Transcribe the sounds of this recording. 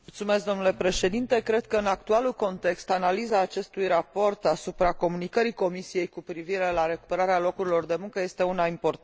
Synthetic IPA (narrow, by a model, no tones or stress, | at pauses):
mult̪sumeskd̪o̞nule̞pɾe̞ʃe̞d̪int̪e̞kɾe̞d̪̚kəɨnak̚t̪ualulko̞nt̪e̞kst̪analizaːt͡ʃe̞st̪ujrapo̞rt̪asupɾako̞munikəɾiko̞misije̞jkupɾiviɾe̞laɾe̞ku̥peɾaɾealo̞kuɾilo̞rd̪e̞muŋkəje̞st̪e̞unaimpo̞t̪